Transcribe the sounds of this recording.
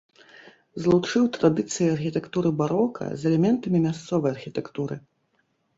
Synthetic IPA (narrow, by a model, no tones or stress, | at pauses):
zlˠut͡ʂɨwt̪ɾad̪ɨt̪sɨjiarxʲit̪ɛkt̪uɾɨbaɾɔkʰɐ̰zɛlʲɛmʲɛnt̪ɐmʲimʲast̪sɔvɐjɐrxʲit̪ɛkt̪uɾɨ